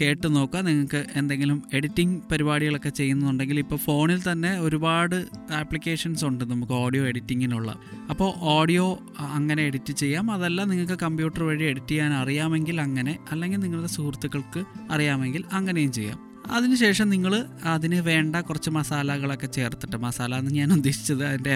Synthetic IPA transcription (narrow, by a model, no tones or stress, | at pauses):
ke̞ːʈːɨno̞ːkːɐniŋːɐɭkːɨʔe̞nd̪e̞ŋɡilume̞ɽitːiŋpɐɾibaːɽiɣɐɭo̞kːe̞t͡ɕe̞jːunːɐðuɳɖe̞ŋɡilipːo̞ːfo̞ːɳilt̪ɐnːe̞o̞ɾubaːɽɨaːpːlikʲːe̞ːʂɐnsuɳɖɨnɐmukːɨoːɽijo̞ːe̞ɽitːiŋːiluɭːɐ̰ | ɐpːo̞ːʔoːɽijo̞ː | ɐŋːɐneeɽitːɨt͡ɕe̞jːaːmɐðɐlːaniŋːɐɭkːɨkɐmbjuːʈːɐrʋeːɻie̞ɽitːikaːnɐrijaːme̞ŋɡilɐŋːɐne̞ɐlːe̞ŋɡilniŋːɐɭðesuːrt̪ːuɣɐɭkɨɐrijaːme̞ŋɡilɐŋːɐne̞jumt͡ɕe̞jːa̰ːm | ɐ̰ðinɨɕe̞ːʂɐmniŋːɐɭɨɐðinɨʋe̞ːɳɖɐkurɐt͡ɕːɨmɐsaːlɐɣɐɭo̞kːe̞t͡ɕe̞ːrt̪ːi̥ʈːɨmɐsaːlɐenːɨɲaːnud̪ːeɕi̥t͡ɕːɐðɨɐðinde̞